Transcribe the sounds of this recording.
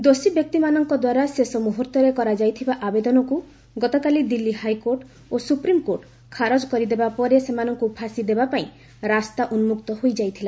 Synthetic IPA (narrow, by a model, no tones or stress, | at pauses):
d̪osibjɔk̚t̪imanɔŋkɔd̪waɾasesɔmuɦuɾt̪ɔɾekɔɾad͡ʒajt̪ʰibaʔabed̪ɔnɔku | ɡɔt̪ɔkalid̪ilːihajkoɾʈ | osupɾimkoɾʈ | kʰaɾod͡ʒkɔɾid̪ebapɔɾesemanɔŋkupʰasid̪ebapaĩ | ɾast̪aʔunmukt̪ɔɦojd͡ʒajt̪ʰila